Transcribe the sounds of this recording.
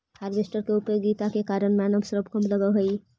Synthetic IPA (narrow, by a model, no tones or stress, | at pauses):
haːɾbesʈəɾkeupoɡiːt̪akekaːɾəɳmanəmsɾəbkəmləɡəɦəi